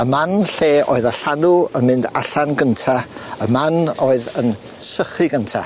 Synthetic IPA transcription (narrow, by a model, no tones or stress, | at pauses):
əmanɬeːʔo̰ːɨðaɬanuənmɪnda̰ɬanɡəntʰaəmanoːɨðən | səχɨɡəntʰa̰